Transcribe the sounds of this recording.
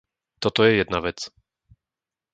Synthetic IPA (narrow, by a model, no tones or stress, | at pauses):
t̪ɔt̪ɔjɛjɛd̪navɛt͡s